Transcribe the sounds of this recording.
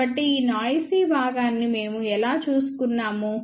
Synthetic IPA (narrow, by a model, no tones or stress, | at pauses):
ɐʈːiiːnaːjsiːbʱaːɡaːnːime̞ːmuɛlaːt͡ʃuːsu̥kunːaːmu